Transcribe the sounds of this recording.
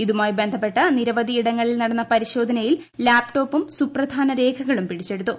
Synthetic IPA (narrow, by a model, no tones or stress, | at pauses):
iðumaːjbe̞nd̪ʱɐpːe̞ʈːɐniɾɐʋɐd̪iiɽɐŋːɐɭilnɐɽɐnːɐpɐɾiɕo̞ːd̪ʱɐnɐjil | laːpʈo̞ːpːumsuprɐd̪ʱaːnɐɾe̞ːkʰɐɣɐɭumpiɽit͡ɕːe̞ɽut̪ːu